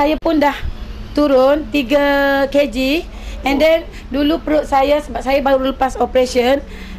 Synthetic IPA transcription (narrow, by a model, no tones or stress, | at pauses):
sajapʊndaht̪uɾʊnt̪iɡaked͡ʒi | ɛ̃ndɛn | dulupəɾʊt̪̚sajasəbap̚sajabauɾuləpasopɾesiən